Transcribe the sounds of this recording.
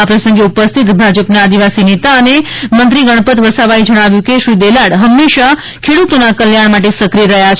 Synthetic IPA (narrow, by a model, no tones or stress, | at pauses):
apɾəsə̃ŋɡeupəst̪ʰit̪bʱad͡ʒəpnaːd̪iʋasinet̪aənemənt̪ɾiɡəɽ̃pət̪ʋəsaʋajd͡ʒəɽ̃aʋjũkeʃɾid̪elaɽɦəmːeʃa | kʰeɽut̪onakəljaɳ̃maʈ̬esəkɾiəɾəɦjat͡ʃʰ